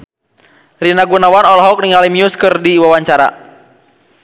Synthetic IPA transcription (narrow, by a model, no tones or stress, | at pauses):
rinaɡunawanɔlɔɦɔk̚niŋalimiuskɨrdiwawaɲt͡ʃaɾa̰